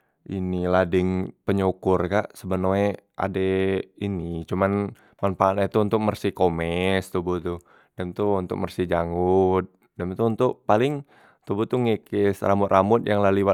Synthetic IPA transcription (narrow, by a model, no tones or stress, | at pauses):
ʔiniladɪŋpəɲukʊrkaʔsəbənueʔa̰dɛinit͡ʃuman | manpaːnɛt̪uːnt̪ʊk̚mərsikomɛst̪ubut̪u | dɛmt̪uunt̪ʊ̰k̚mərsid͡ʒaŋut̪̚ | dɛmt̪uːnt̪ʊʔpalɪŋ | t̪ubut̪uŋekɪsramʊt̪ramʊt̪̚jaŋlaliwa